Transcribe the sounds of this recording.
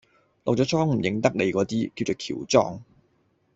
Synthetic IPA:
lɔ̰˨˩wt͡sɔː˨˧˥t͡sʰɔː˥ŋm̩˨˩jɪ˨˧˥ŋt̪ɐ˥k̚le˨˧jkɔː˨˧˥t̪iː˥kiː˧wt͡soː˨˩kʰḭː˨˩wt͡sɔ̰ː˥ŋ

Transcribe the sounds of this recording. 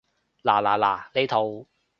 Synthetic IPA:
laː˨˩la̰ː˨˩la̰ː˨˩le˨˧jt̪ʰo˨w

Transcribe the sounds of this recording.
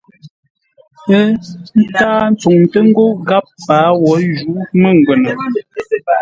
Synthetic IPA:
pə˦n̩˦taː˦n̩˦t͡su˨ŋtə˦ŋ̩˦ɡo˦ɡa˦p̚ːaː˨˦wɔ˨˦d͡ʒu˨˦mə˦˨ŋ˨ɡwe˨nə˨

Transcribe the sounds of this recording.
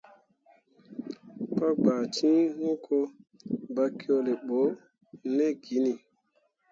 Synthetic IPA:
pa˦ɡ͡ba˨tĩ˦ŋũ˦kʰo˧˦ba˦ki˦o˦le˨ɓo˨˦ | ne˦ɡi˨˦ni˨

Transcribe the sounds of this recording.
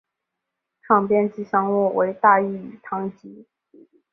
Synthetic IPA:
ʈ͡ʂʰɑ˥˩ŋpjɛ˥˧nt͡ɕi˥ʂɑ˥ŋwɔ˥˩wʔe˧˥ɪt̪a˥˧i˥˩y˨˩t̪ʰɑ˧˥ŋt͡ɕi˧˥

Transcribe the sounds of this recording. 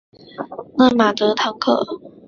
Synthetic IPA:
na˥˩ma˨˩t̪ɤ˧˥t̪ʰɑ˧˥ŋkʰɤ̰˥˩

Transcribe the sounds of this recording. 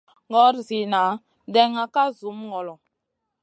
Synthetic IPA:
ŋɡɔ˦ɾzi˨na˨˦ | dɛ˦ŋa˨ka˦zu˨˦mŋɔ˨lɔ˨

